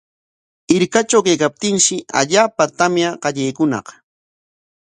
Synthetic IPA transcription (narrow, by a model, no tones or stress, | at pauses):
ɪɾkat͡ʃawkajkap̚t̪ɪŋʃɪʔa̰ʎaːpat̪amjaɢɑʎejkʊnɑ̰q